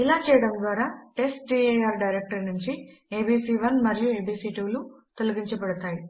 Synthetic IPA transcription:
ilaːt͡ʃɛːjɐɽɐnd̪ʋaːɾaːʈe̞sʈ̚ɖieaːɾɖɐjɾek̚ʈɐɾnuɲt͡ʃi | eːbiːsiːʋɐnmɐɾijueːbiːsiːʈiʋlut̪oluɡiɲt͡ʃɐbɐɽut̪aːji

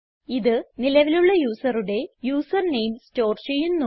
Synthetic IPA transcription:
iðɨnilɐʋiluɭːɐjuːsɐruɽe̞juːsɐrnejmsto̞ːrt͡ɕejunːu

